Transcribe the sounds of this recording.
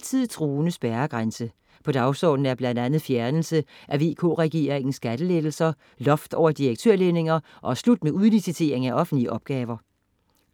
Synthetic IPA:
t͡sʰið̰ˠt͡sʰʁuːnəsb̥æːɐɡ̥ʁansə | pʰɒ̽d̥ɑ̈ʊsɒ̰ːd̥n̩æɐb̥lænd̥ænð̞̩ˠfjæɐnl̩səʔæʋe̝̰ːkʰo̰ːʁɛɡ̥ḛːɐʁeŋn̩sɡ̥æd̥əleð̥l̩sɐ | lɒ̽fd̥ɒʊ̰ɐd̥iʁeɡ̥̚t͡sʰøɐ̰lene̝ŋɐ | ʔɒ̽æslud̥̚meʔuð̞ˠlisit͡sʰe̝̰ɐ̰e̝ŋæʔɒ̽fn̩dliəʔɒ̽b̥̚ɡ̥ɛːwɐ

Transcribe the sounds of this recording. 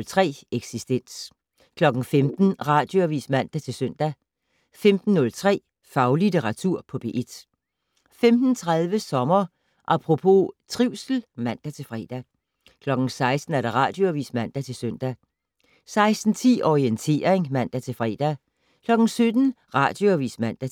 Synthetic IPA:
lt͡sʰʁɛ̰ːeɡ̥sisd̥en̰s | kʰlɒ̽ɡ̥n̩femd̥n̩ʁɑ̈ːd̥jo̝æʋḭːsmæn̰d̥æt͡sʰe̝lsøn̰d̥æ | femd̥n̩ːɔ̽lt͡sʰʁɛ̰ː | fɑ̈ʊlit͡sʰeʁɑ̈t͡sʰuɐ̰pʰɒ̽b̥e̝̰ʔe̝d̥ | femd̥n̩t͡sʰʁað̞ˠʋəsɒ̽mɐ | ʔɑpʰʁo̝pʰo̝t͡sʰʁiʊ̰sl̩mæn̰d̥æt͡sʰe̝lfʁɛ̰ːd̥æ | kʰlɒ̽ɡ̥n̩sɑ̈ɪsd̥n̩æɐɾ̥ɑ̈ʁɑ̈ːd̥jo̝æʋḭːsmæn̰d̥æt͡sʰe̝lsøn̰d̥æ | sɑ̈ɪsd̥n̩t͡sʰḭːʔɒʁient͡sʰe̝̰ːɐʁeŋmæn̰d̥æt͡sʰe̝lfʁɛ̰ːd̥æ | kʰlɒ̽ɡ̥n̩sød̥n̩ʁɑ̰̈ːd̥jo̝æʋḭːsmæn̰d̥æ

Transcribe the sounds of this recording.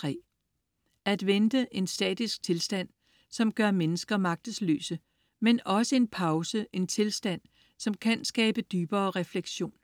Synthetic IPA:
t͡sʰʁɛ̰ː | æd̥ʋend̥əʔe̝nsd̥ɛ̰ːd̥isɡ̥̚t͡sʰe̝lsd̥æn̰ | sɒ̽mɡ̥ɶɐmenəsɡ̥ɐmɑ̈ɡ̥̚d̥əsly̰ːsə | menɒ̽səe̝npʰɑ̈ʊsəʔe̝nt͡sʰe̝lsd̥æn̰ | sɒ̽mkʰænsɡ̥ɛːb̥əd̥yːb̥ɐːʁɛfleɡ̥ɕo̝̰ːn

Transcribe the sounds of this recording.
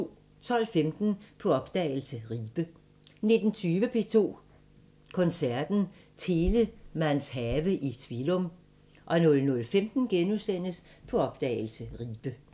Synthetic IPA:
t͡sʰɒ̽l̰femd̥n̩pʰɒ̽ɒ̽b̥d̥ɛ̰ːɪl̩səʁiːb̥ə | ne̝d̥n̩t͡sʰyːʋəpʰe̝ːt͡sʰo̝̰ː | kʰɒ̽nsæɐd̥n̩t͡sʰe̝ːləmænsɦɛːʋəʔit͡sʰʋilɔm | ʔɒ̽nɔ̽lnɔ̽lfemd̥n̩ɡ̥enusen̰əspʰɒ̽ɒ̽b̥̚d̥ɛ̰ːɪlsəʁiːb̥ə

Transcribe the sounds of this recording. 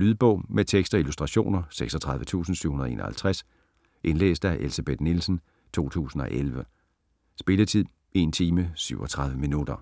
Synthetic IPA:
lyðˠb̥ɔ̽ʊ̰met͡sʰeɡ̥sd̥ɐilusd̥ʁɑ̈ɕo̝̰ːnɐseɡ̥sɒt͡sʰʁɑ̈ðˠʋət͡sʰṵːsn̩syʊ̰hunɐðˠe̝ːnɐhælt͡sʰʁas | ʔe̝nlḛːsd̥æʔelsæb̥ed̥nilsn̩ | t͡sʰo̝̰ːt͡sʰṵːsn̩ɒ̽ʔelʋə | sb̥e̝lət͡sʰið̰ˠ | e̝nt͡sʰiːməsyʊɒ̽t͡sʰʁɑ̈ðˠʋəminud̥ɐ

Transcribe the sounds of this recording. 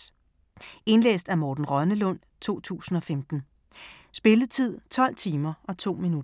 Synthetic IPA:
e̝nlḛːsd̥æmɒːd̥n̩ʁɶnəlɔ̽n̰ | t͡sʰo̝̰ːt͡sʰṵːsn̩ɒ̽femd̥n̩ | sb̥e̝ləðˠt͡sʰið̞̰ˠt͡sʰɒ̽l̰t͡sʰiːmɐʔɒ̽t͡sʰo̝̰ːminu

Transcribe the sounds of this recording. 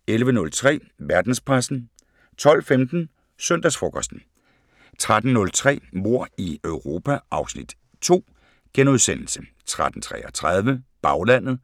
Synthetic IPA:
elʋənɔ̽lt͡sʰʁɛ̰ː | ʋæɐd̥n̩spʰʁasn̩ | t͡sʰɒ̽l̰femd̥n̩ | sœn̰d̥æsfʁɔ̽kʰɒsd̥n̩ | t͡sʰʁad̥n̩nɔ̽lt͡sʰʁɛ̰ːmo̝ɐ̰iœʊʁo̝ːpʰæʔɑ̈ʊsnid̥ | t͡sʰo̝̰ː | ɡ̥enuð̞ˠsen̰l̩sə | t͡sʰʁad̥n̩t͡sʰʁɛ̰ːɒt͡sʰʁɑð̞ˠʋəb̥ɑ̈ʊlæn̰ð̩ˠ

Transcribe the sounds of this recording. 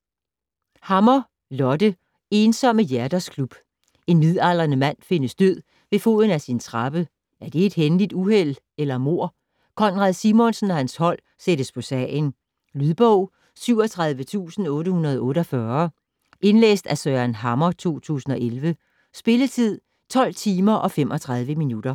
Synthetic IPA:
hɑ̈mɐ | lɒ̽d̥ə | e̝ːnsɒ̽məjæɐd̥ɐskʰlub̥ | e̝nːiðˠɑl̰ɐnəmæn̰fe̝nəsd̥øð̰ˠ | ʋe̝fo̝̰ðˠn̩æsint͡sʰʁɑ̈b̥ə | ʔæɐd̥e̝ːd̥henlid̥uhel̰ | elɐmo̝ɐ̰ | kʰɒ̽nʁɑðˠsimɔ̽nsn̩ɒhænshɒ̽l̰ | seɾ̥əspʰɒ̽sɛn | lyðˠb̥ɔʊ̰ | syʊ̰ɒt͡sʰʁɑ̈ðˠʋət͡sʰṵːsn̩ɔ̽ːɾəhunɐð̞ˠɔ̽ːɾɒfɶɐ | ʔe̝nlḛːsd̥æsøænɦɑ̈mɐt͡sʰo̝̰ːt͡sʰṵːsn̩ɒ̽ʔelʋə | sb̥e̝lət͡sʰið̞̰ˠ | t͡sʰɒ̽l̰t͡sʰiːmɐʔɒ̽fem̰ʔɒ̽t͡sʰʁɑ̈ð̞ˠʋəminud̥ɐ

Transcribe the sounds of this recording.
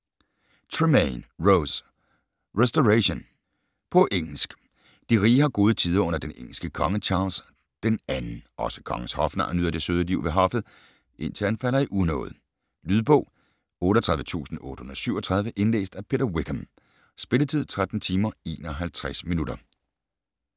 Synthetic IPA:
t͡sʰʁimeɪnʁoʊs | ʁesd̥oʁæɕon | pʰɔ̽ʔeŋ̰l̩sɡ̥ | d̥iʁiːhɑ̈ɡ̥o̝ːð̞ˠət͡sʰið̞̰ˠɐɔ̽n̰ɐd̥eneŋ̰l̩sɡ̥əkʰɒ̽ŋət͡ɕʰɑ̈ːls | d̥enænn̩ʔɒ̽sə̥kʰɒ̽ŋəshɒ̽fnɑ̰nyð̰ˠɐd̥e̝søːð̞ˠəliʊ̰ʋe̝ɦɒ̽fð̩ˠ | ʔe̝n̰t͡sʰe̝lænfæl̰ɐiʔuðˠnɔ̰̽ːð̩ˠ | lyðˠb̥ɔ̰̽ʊ̰ | ɔ̽ːɾɒt͡sʰʁɑ̈ðˠʋət͡sʰṵːsn̩ɔ̽ːɾə̥honɐɐsyʊɐɒt͡sʰʁɑ̈ð̞ˠʋəʔe̝nlḛːsd̥æpʰe̝ɾɐwiɡ̥ʰəm | sb̥e̝lət͡sʰið̞̰ˠt͡sʰʁad̥n̩t͡sʰiːmɐe̝ːnɒɦælt͡sʰʁasminud̥ɐ

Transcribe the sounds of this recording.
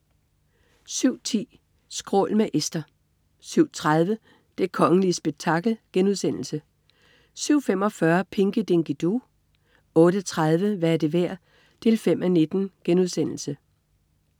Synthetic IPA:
syʊ̰t͡sʰḭː | sɡ̥ʁɔ̰̽ːlmeʔesd̥ɐ | syʊ̰t͡sʰʁað̞ˠʋə | d̥e̝kʰɒ̽ŋəlisb̥eɡ̥̚t͡sʰɑ̈ɡ̥l̩ɡ̥enuðˠsen̰l̩sə | syʊ̰fem̰ɒ̽fɶɐpʰe̝ŋɡ̥əd̥eŋɡ̥id̥u | ɔ̽ːɾ̥ət͡sʰʁað̞ˠʋəʋæɐd̥e̝ʋæɐ̰ | d̥ʰe̝lfem̰ʔæne̝d̥n̩ɡ̥enuðˠsen̰l̩sə

